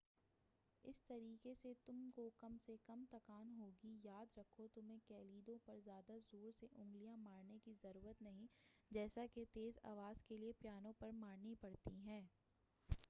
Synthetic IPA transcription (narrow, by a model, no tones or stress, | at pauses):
ɪst̪ɐɾiːkeset̪ʊmkokɐmsekɐmt̪ɐkaːnɦoːɡijaːd̪ɾɐkʰot̪ʊmẽkɛːliːd̪õpɐɾzjaːd̪azoːɾseʔʊ̃ŋɡlijãmaːɾnekizɐɾuːɾət̪nɐɦĩd͡ʒɛːsaket̪eːza̰ːʋaːzkeliepjaːnõpɐɾmaːɾnipɐɽt̪iɦɛ̃ː